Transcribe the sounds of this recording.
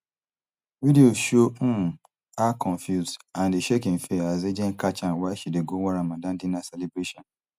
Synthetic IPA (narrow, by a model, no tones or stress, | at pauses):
vidioʃoũ | akʰɔ̃ɱfjuzdãndeʃekĩnfeazed͡ʒɛ̃nkat͡ʃãnwaʃideɡowaɾamadãmdĩnasɛlebɾeʃɔ̃n